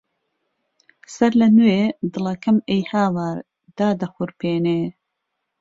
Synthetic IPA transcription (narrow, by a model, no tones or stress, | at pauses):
sɐɾlɐnuweːd̪ɨlɐkɐmejhaːwaːɾ | d̪̥aːd̪ɐxʊɾpʰeːneː